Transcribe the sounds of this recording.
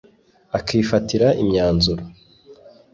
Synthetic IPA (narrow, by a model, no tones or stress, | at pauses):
akʰiːfatiɾaʔimɲaːnzuɾo